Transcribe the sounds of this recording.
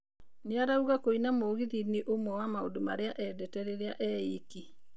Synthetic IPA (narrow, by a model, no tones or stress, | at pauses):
neaɾauɣakoinamoːɣiðineʔomwɛwamao̰doma̰ɾeaʔɛdɛtɛɾeɾeaʔɛiki